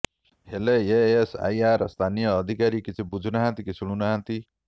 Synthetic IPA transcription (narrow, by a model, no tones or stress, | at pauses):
heleeesa̰jarʌst̪ʰanijʌːd̪ʱikaɾikit͡sʰibud͡zʱunaɦãnt̪ikisuɽ̃unaɦãnt̪i